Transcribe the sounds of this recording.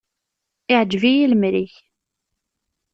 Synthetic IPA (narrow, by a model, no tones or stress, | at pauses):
ɪʕəd͡ʒvijiləmɾiç